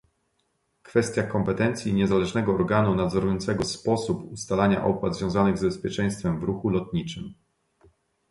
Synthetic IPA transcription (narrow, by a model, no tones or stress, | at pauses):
kfɛst̪ʲjakɔmpɛt̪ɛnt̪sʲjiɲɛzalɛʐnɛɡɔːɾɡanunad̪zɔɾujɔnt̪sɛɡɔspɔsupust̪alaɲa̰ʔɔpwad̪zvʲjɔ̃w̃zanɘɣzbɛspʲjɛt͡ʂɛj̃st̪fɛmvɾuxulɔt̪ɲit͡ʂɘm